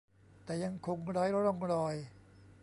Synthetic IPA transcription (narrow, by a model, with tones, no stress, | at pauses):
t̪ɛː˨˩ja˧ŋkʰo˧ŋɾaː˦˥jɾɔ˥˩ŋɾɔː˧j